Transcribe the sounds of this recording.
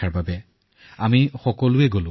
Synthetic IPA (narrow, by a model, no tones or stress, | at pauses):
aɹbabɛ | amixɔkɔlʊɛɡolʊ̃